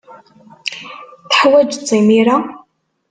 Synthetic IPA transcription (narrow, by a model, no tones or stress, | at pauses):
θħwæd͡ʒt͡sˤːimiɾa